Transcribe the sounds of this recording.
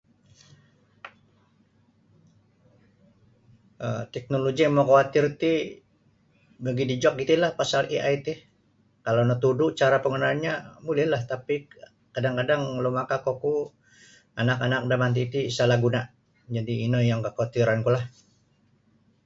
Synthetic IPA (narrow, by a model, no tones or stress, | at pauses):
ʔət̪ɛk̚noloɡimokawat̪irt̪i | bəɡidid͡ʒɔk̚ɡit̪ilahpasalʔiʔajt̪i | kalawnət̪uduʔt͡ʃaɾapəŋənalɲamulɪhlaht̪api | kadaŋkadaŋlomakakoku | anakanak̚damant̪̬it̪isalaɡunaʔ | d͡ʒadiːnəjaŋkəkawat̪iɾankulah